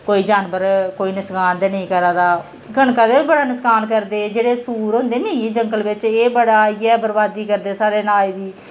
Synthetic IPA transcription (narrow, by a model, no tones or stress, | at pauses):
koːiːd͡ʒaːnbəɾkoːiːnɪskaːnd̪eːnəĩːkəɾaːd̪aː | ɡʱəɳkãːd̪eːbəɽaːnɪskaːnk̬əɾd̪eːd͡ʒeːɽeːsuːɾɦʊ̃nd̪eːnəĩːd͡ʒəŋɡəlʋɪt͡ʃeːbəɽaːeɡɛːbəɾbaːd̪iːkəɾd̪eːsaːɾeːnaːliːd̪iː